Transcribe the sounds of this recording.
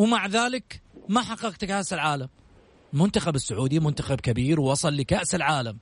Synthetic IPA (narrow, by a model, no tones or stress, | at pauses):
wmaʕðaːlɪkmaħɑqːɑqt̪kaʔsɪlʕaːlam | mʊnt̪axabɪsːʊʕuːd̪imʊnt̪axab̚kabiːɾwwɑsˤɑlːikaʔsɪlʕaːlam